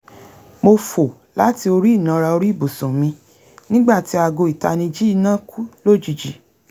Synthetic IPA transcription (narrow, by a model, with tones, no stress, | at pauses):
mo˧fo˨ | la˦ti˧o˧ɾi˦i˦˨nã˨˦˧ɾa˧o˧ɾi˦i˦˨bu˨sũ˨mĩ˧ | nĩ˦ɡ͡ba˦˨ti˨˦a˧ɡo˧i˨ta̰˧nĩ˧d͡ʒi˦i˦˧nã˦ku˦lo˦˨d͡ʒu˨d͡ʒi˨